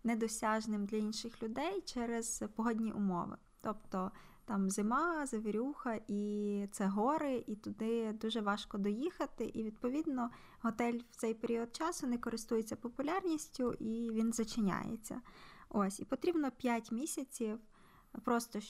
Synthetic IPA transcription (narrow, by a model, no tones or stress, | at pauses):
nɛd̪ɔsʲɑʒnɪmd̪lʲɐinʃɪxlʲʊd̪ɛjt͡ʃɛɾez̥pɔɦɔdʲnʲiʔʊmɔ̰ʋɪ̰ | t̪ɔpt̪ɔ | t̪ɑmzɪmɑzeʋeɾʲuxɐʔit̪sɛɦɔɾɪʔit̪ʊd̪ɪd̪uʒɛʋɑʃkɔd̪ɔjixɐt̪ɪʔiʋʲid̪̚pɔʋʲid̪nɔ | ɦɔt̪ɛlʲw̥t̪sɛjpeɾʲiɔd̪̚t͡ʃɑsʋʲinɪkɔɾɪst̪ujet͡sʲːɐpɔpʊlʲɑrnʲisʲtʲʊʔiʋʲinzɐt͡ʃɪnʲa̰jḛt͡sʲːɐ̰osʲipɔt̪ɾʲibnɔpʲjatʲmʲisʲɐt͡sʲiw | pɾɔst̪ɔ